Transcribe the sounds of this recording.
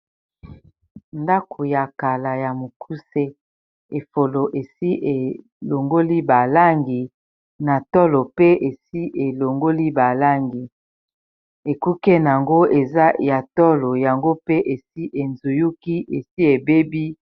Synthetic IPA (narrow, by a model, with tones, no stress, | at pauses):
nda˦kʰo˨ja˨ka˨la˨ja˨mo˨kʰu˦se˦ | e˨fo˨lo˨ʔe˨si˦ʔe˨ | lo˨ŋɡo˦li˦ba˨la˦ŋɡi˨ | na˨tɔ˦lo˨pe˦e˨si˦ʔe˨lo˨ŋɡo˦li˦ba˨la˦ŋɡi˨ | e˨ku˦kɛ˦n˨a˨ŋɡo˦e˨za˦ja˨tɔ˦lo˨ja˨ŋɡo˦pe˦ʔe˨si˦ʔe˨nzu˨ju˦ki˦ʔe˨si˦e˨be˦bi˦